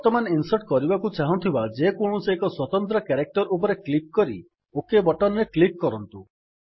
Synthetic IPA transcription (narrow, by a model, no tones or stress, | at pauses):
t̪ɔmaneinsɔʈkɔɾibakut͡ʃaɦɔ̃t̪ʰibad͡ʒekoɽ̃usekɔswɔt̪ɔnt̪ɾɔkaɾek̚ʈɔɾup̬ɔɾeklik̚kɔɾḭ | okebɔʈɔnɾeklikkːɔɾɔnt̪u